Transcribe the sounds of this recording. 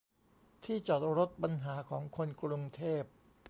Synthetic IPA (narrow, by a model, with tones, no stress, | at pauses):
t̪ʰiː˥˩t͡ɕɔː˨˩t̪̚ɾo˦˥t̪̚pa˧nɦaː˩˦kʰɔː˩˦ŋkʰo˧nkɾu˧ŋt̪ʰeː˥˩p̚